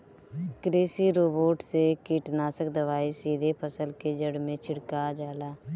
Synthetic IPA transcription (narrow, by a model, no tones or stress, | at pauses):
kɾeːsiɾoːboːʈsekiːʈnaːsəkd̪əʋaːisiːd̪ʱepʰəsəlked͡ʒəɽmẽt͡ʃʰɪɽkad͡ʒaːlaː